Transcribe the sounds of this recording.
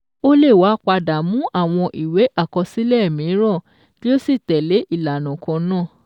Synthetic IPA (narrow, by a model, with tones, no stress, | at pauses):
o˦le˦˨wa˨˦k͡pa˧da˨mũ˨˦ʔa˦˨w̃ɔ̃˧ʔi˨we˨˦ʔa˦˨kɔ˧si˦lɛ˦˨mĩ˨˦ɾ̃ã˦˨ | ti˦o˦si˦˨tɛ˨le˨˦ʔi˦˨la˨nɔ̃˨kɔ̃˨˧nãː˦˨